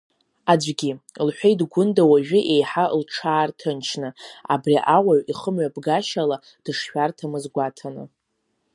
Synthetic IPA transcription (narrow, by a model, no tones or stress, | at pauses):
ad͡ʒʷɡʲilħʷᶣejdɡʷʊndawaʒᶣɪʔejħalʈ͡ʂʰaːrtʰɨnt͡ʃʰnɨa̰briʔawaɥiχəmɥabɡaʃala | d̥ɨʂħᶣartʰamɨzɡʷatʰanɨ̰